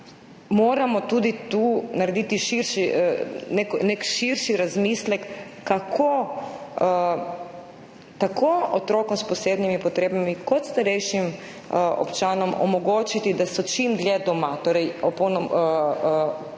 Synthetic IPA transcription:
moːɾamɔt̪ud̪it̪uːnaɾed̪it̪iʃiɾʃineknekʃiɾʃiɾazmiːslɛkːakʰo | t̪akʰoɔt̪ɾoːkɔmspɔseːd̪nimipɔt̪ɾeːbamikɔt̪st̪aɾɛjʃim | ɔ̰pt͡ʃaːnɔmɔ̰mɔɡoːt͡ʃit̪id̪asɔt͡ʃimd̪ljɛd̪ɔmat̪oːɾɛjɔpownɔm

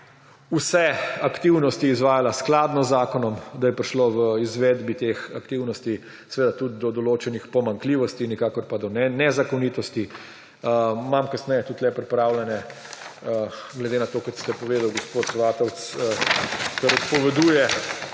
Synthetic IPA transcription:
usɛakt̪iwnɔst̪iːzʋaːjalasklad̪nɔzaːkɔnɔmd̪ajɛpɾiʃloʋəizʋeːd̪bit̪exa̰kt̪iwnɔst̪i | sɛʋeːd̪at̪ud̪̚d̪ɔd̪ɔloːt͡ʃɛnixpɔmaŋkliːʋɔst̪inikaːkɔɾpad̪ɔnɛnɛzakɔniːt̪ɔst̪i | mamkasnɛjɛt̪ut̪lɛpɾipɾaːwlɛnɛ | ɡlɛd̪enat̪oːkɔt̪st̪ɛpɔʋeːd̪awɡɔspot̪sʋaːt̪ɔwt̪s | k̪ɛɾɔt̪pɔʋɛd̪uːjɛ

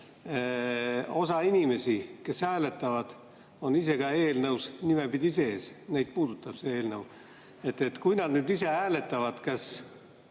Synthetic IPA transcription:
o̞sɑinʲime̞sike̞sæːle̞t̪ːˑɑvɑd̪̥ | o̞nise̞ɡ̥ɑe̞ːlnɤwsnimepid̪ʲise̞eːsne̞jd̪̥̚puːd̪̥ut̪ːˑɑb̥se̞eːlnɤw | e̞t̪ːˑe̞t̪kujnɑd̪̥nyːd̪ise̞æːle̞t̪ːˑɑvɑd̪̥kɑs

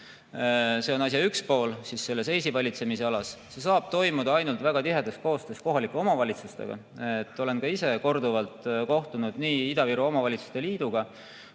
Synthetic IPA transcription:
se̞o̞nɑs̬ʲjɑykspo̞ːlsisːe̞lːe̞se̞jsivɑlʲit̪se̞mise̞ɑlɑsse̞sɑːb̥̚t̪o̞jmud̪̥ɑɑjnult̪væɡ̥ɑt̪iɦe̞d̪̥est̪̚ko̞ːst̪e̞st̪ko̞ɦɑlikːˑeo̞mɑvɑlʲit̪sust̪e̞̰ɡ̥ɑ̰ | et̪ːˑo̞le̞nkɑise̞ko̞rd̪uvɑlt̪ko̞ht̪unud̪̥niːid̪ɑviɾuomɑvɑlʲit̪su̥st̪e̞liːd̪̥uɡ̥ɑ

